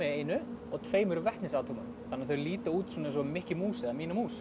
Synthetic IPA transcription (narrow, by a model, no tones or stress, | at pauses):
ɛeːjnʏɔɣt̪ʰveːjmʏɾʏvɛht̪nɪsaːwt̪ʰuːman | θanːɪaθœɥɾliːt̪auːt̪sɔːnasɔmɪhcɪmuːsɪamiːnamuːs